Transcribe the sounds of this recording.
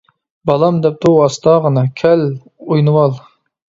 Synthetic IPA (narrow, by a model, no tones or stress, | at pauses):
bɑlˠɑmd̪ɛp̚t̪ʰuɑst̪ɑːʁənɑkʲʰɛl | ujnɨwɑlˠ